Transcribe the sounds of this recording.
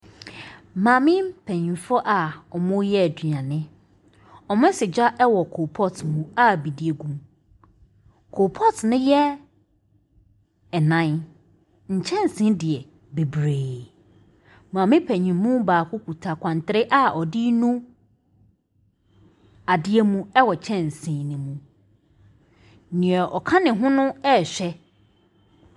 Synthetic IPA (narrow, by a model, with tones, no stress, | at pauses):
mãː˨mɪ̃˦pʰæ̃˨ɲĩ˨fɔ˦ʔa˨ɔ˨mʊ̃˦jɛ˦˨du˨ã˨nɪ̃˦ | ɔ˨mʊ̃˦sɪ˨d͡ʑa˦ʔɛ˦wɔ˨kʰo˨pʰɔ˦tmũ˦a˦˨bi˨di˨e˨ɡũ˦m | kʰo˨pʰɔ˦tnɪ̃˦jɛ˦ | ɛ˨nã˦n | ɲ̩˨t͡ɕʰɛ̃˦n̩˨sɪ̃˦dɪ˨ɛ˨ | be˨bɾeː˨ | m˨ã˨mɪ̃˦pʰɛ˨ɲĩ˨mmũ˦baː˨kʰʊ˦ku˨tʰa˨kʷʰã˨n˨tʰɪ˦ɾɪ˦ʔa˦ʔɔ˨dɪ˦nũ˦ | a˨dɪ˦ɛ˦mũ˦ɛ˦wɔ˨t͡ɕʰɛ̃˦n˨sĩ˨˦nɪ̃˨mũ˦ | nɪ̃˨ɛ˨ʔɔ˨kʰã˦nɪ̃˨ɦʊ̃˦nʊ̃˦ɛ˦˨ɕᶣɛ˦